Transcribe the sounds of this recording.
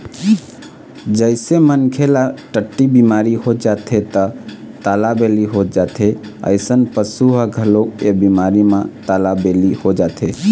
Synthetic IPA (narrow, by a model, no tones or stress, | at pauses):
d͡ʒəɪsemənkʰelaʈəʈːibimaɾiɦod͡ʒat̪ʰet̪ə | t̪alabeliɦod͡ʒat̪ʰe | ə̰ɪsənpəsuɦəɡʱəlokebimaɾimãt̪alabelihod͡ʒat̪ʰe